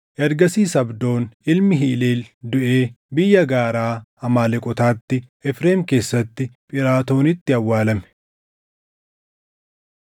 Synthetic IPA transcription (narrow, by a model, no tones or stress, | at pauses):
ʔɐɾɡɐsiːsɐbd̪o̞ːnɪlmɪɦiːleːld̪ʊʔe̞ː | bɪjːɐɡaːɾaːɐmaːlɛkʼɔt̪aːt̪ːɪʔɛfɾeːmke̞ːsːɐt̪ːɪpʼɪɾaːt̪o̞ːnɪt̪ːɪɐwːaːlɐmɛ̥